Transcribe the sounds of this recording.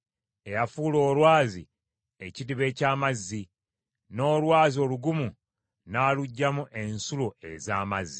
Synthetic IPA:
e̞jafuːlo̞ːlwaːzḭ | ecidiβe̞ːcaːmazːi | no̞ːlwaːzio̞ːluɡumu | naːluɟːamuʔensuloʔe̞̰zaːmazːi

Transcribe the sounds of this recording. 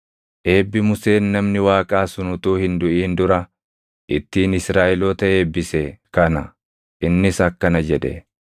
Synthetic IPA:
ʔe̞ːbːɪmʊse̞ːnːɐmnɪwaːkʼaːsʊnʊt̪uːhɪnd̪ʊʔiːnd̪ʊɾɐ | ʔɪt̪ːiːnɪsɾaːʔɛloːt̪ɐe̞ːbːɪsekɐnɐ | ʔɪnːɪsɐkːɐnɐd͡ʒɛᶑ̪ɛ̰

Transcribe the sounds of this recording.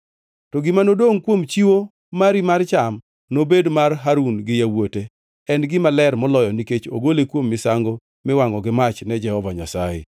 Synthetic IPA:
tɔɡɪmanodoŋkwomt͡ʃiwo | maɾimart͡ʃam | nobedmarɦaɾunɡɪjawote | ɛnɡɪmalɛrmɔlɔjɔniket͡ʃo̰ɡolekwomːɪsaŋɡo | mɪwaŋɔɡɪmat͡ʃnɛd͡ʒɛhɔvaɲasajɪ̰

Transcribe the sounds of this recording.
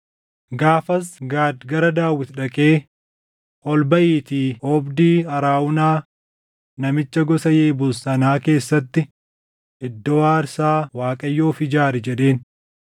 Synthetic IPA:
ɡaːfɐsɡaːd̪ɡɐɾɐd̪aːwːɪt̪ᶑɐkʼe̞ː | ʔɔlbɐʔiːt̪iːɔbd̪iːɐɾaːʔʊnaː | nɐmɪt͡ʃːɐɡɔsɐjeːbʊlsɐnaːke̞ːsːɐt̪ːɪ | ʔɪd̪ːɔwaːɾsaːwaːkʼɐjːoːfɪd͡ʒaːɾɛd͡ʒɛɗe̞ːn

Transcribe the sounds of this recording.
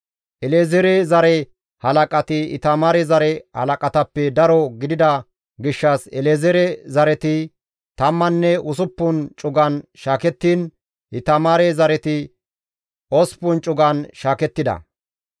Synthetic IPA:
ʔɛlezɛɾɛzɐɾɛ | hɐlɐkʼɐt̪ɪɪ̰t̪ɐmaːɾɛzɐɾɛhɐ̰lɐkʼɐt̪ɐpːɛd̪ɐɾɔɡɪd̪ɪd̪ɐ | ɡɪʃːɐsɛleːzɛɾɛzɐɾɛt̪ɪ | t̪ɐmːɐnːɛʊsʊpːʊnt͡ʃʼʊɡɐnʃaːkɛt̪ːiːn | ʔɪt̪ɐmaːɾɛzɐɾɛt̪ɪ | ɔspʊnt͡ʃʼʊɡɐnʃaːkɛt̪ːɪd̪ɐ̰

